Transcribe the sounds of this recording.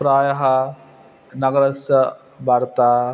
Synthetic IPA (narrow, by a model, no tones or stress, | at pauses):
pɾaːjɐɦɐ | nɐɡɐɾɐsjɐ | bʱaːɾt̪aː